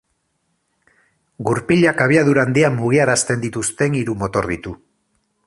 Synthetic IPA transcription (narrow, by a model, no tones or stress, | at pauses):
ɡuɾpiʎakaβiaðuɾand̪iamuɣ̞iaɾast̪e̞nd̪it̪ust̪e̞ŋiɾumo̞t̪o̞ɾðit̪u